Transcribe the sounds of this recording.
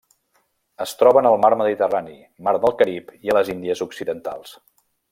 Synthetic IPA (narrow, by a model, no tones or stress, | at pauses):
əst̪ɾɔβənəlˠmaɾməðit̪əranḭ | maɾðəlˠkəɾipiələzind̪iəzuksiðənt̪a̰lˠs